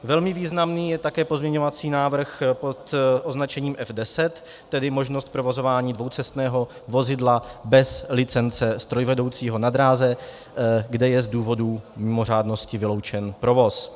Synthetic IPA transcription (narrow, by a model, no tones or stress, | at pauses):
vɛlmɪviːznamniːjɛt̪akɛːpo̞zmɲɛɲo̞vat͡siːnaːvr̩xpo̞t̪ʔo̞znat͡ʃɛɲiːmʔɛfdɛsɛt̪ː | ɛdɪmo̞ʒnost̪̚pɾo̞vo̞zo̞vaːɲiːdvo̞wt͡sɛst̪nɛːɦo̞ | vo̞zɪdlabɛslɪt͡sɛnt͡sɛst̪ɾo̞jvɛdo̞wt͡siːɦo̞nad̪ɾaːzɛ | ɡdɛjɛzduːvo̞dumɪmo̞r̝aːdno̞scɪvɪlo̞wt͡ʃɛnpɾo̞vo̞s